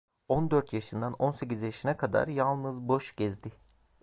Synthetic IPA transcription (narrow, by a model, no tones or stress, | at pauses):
o̞nd̪øɾt̪jaʃɯnd̪ano̞nse̞cizjaʃɯnakʰad̪a̰ɾjalˠnɯzbo̞ʃɟɛzd̪ɪ